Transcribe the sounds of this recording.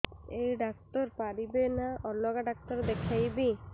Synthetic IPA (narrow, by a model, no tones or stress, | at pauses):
ejɖak̚tɔɾpaɾibenaɔlːɔɡaɖak̚t̪ɔɾd̪ekʰajbi